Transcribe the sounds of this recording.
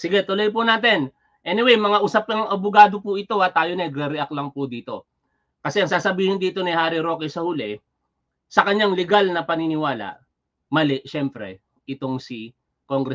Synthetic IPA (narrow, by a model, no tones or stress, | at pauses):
sɪɡɛt̪ʊlojpʊnaːt̪ɪn | ʔɛːnɪwɛjmɐŋaʔusɐp̚lɐŋŋɐbʊɡaːd̪opʊʔɪt̪o̞ʔɐt̪aːjonɐɡɾɛɾɛʔɐklɐŋpʊd̪iːt̪o̞̰ | kɐsɛɐŋsaːsɐbiːhɪnd̪iːt̪o̞nihaːɾɪɾo̞ːkɛsɐhʊlɛ | sɐkɐɲːaŋlɛɡalnɐpɐnɪnɪwaːlɐ̰ʔ | mɐlɛʔʃɛmpɾɛ̰ | ʔɪt̪o̞ŋsɪ | koŋɡɾɛ